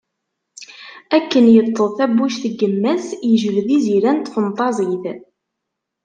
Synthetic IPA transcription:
ækːənjət̪ˤːəðˤθæbːuʃθəɡːəmːæsjəʒəvðiziɾænt̪fənt̪ˤɑzˤiθ

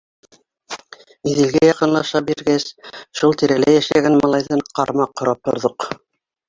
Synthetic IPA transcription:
iðɘ̆lɡæjɑqɤ̆nlˠɑʃɑbiɾɡæsʃulˠt̪iɾælæjæʃæɡænmɑlˠɑjðɤɴqɑɾmɑqːŏɾɑp̚t̪ŏ̰ɾðoq

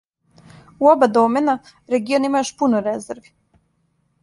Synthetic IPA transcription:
uobad̪omena | ɾeɡionimajuʃpunoɾezeɾʋi̥

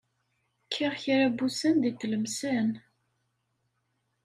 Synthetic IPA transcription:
kʰːiʁçiɾæbusənd̪it̪ːləmsæn

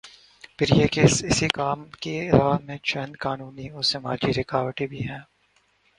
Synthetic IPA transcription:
pʰɪɾjeːkesɪsikaːmkeɪlaːmẽt͡ʃɛ̃nd̪kaːnuːniɔːsɪma̰ːd͡ʒiɾɪkaːʋəʈibʱiɦɛ̃ː

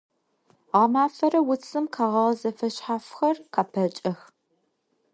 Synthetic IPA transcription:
ʁamaːfɐɾɐwʊt͡sʰɨmqʰaːʁɐʁzɐfɐɕħaːfxɐrqʰaːpʰɐt͡ʃʼɐx

